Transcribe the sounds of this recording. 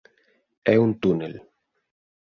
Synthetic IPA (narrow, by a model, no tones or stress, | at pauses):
ɛunt̪unel